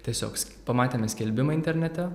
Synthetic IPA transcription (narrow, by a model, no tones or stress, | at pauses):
t̪ʲiɛsʲo̰ːksʲ | pɐmɑːt̪ʲeːmʲɛsʲkʲɛlʲbʲɪmɐɪnʲt̪ʲɛɾʲnʲɛt̪ʲɛ